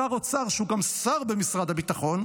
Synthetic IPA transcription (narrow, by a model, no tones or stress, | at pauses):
aʁot͡saʁʃeuɡamsaʁbemisʁad̪habit̪aχo̞n